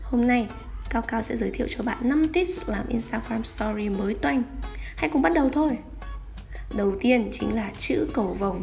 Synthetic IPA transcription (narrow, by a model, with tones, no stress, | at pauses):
ho˧mna˧j | kaː˧wkaː˧wsɛ̰˧˥zəː˨˦jt̪ʰḭ˧˨wt͡ɕɔ˧˩ɓa̰ː˧˨nːa˧mt̪i˦˥p̚s̚laː˨˩mʔi˧nst̪aː˧ɣɹaː˧mst̪ɔ˧zi˧məː˨˦jt̪wa˧jŋ̟ha̰˧˥jkʊ̰˧˥ŋ͡mɓa˦˥t̚ɗə˨˩wt̪ʰo˧j | ɗə˨˩wt̪i˧ənt͡ɕï˨˦ŋ̟laː˨˩t͡ɕɨ̰˧˥kə˨˩wvə˨˩w